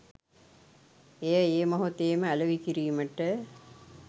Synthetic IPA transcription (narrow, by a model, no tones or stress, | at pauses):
ejəeːmoɦot̪ejːməæləʋikiɾiːməʈə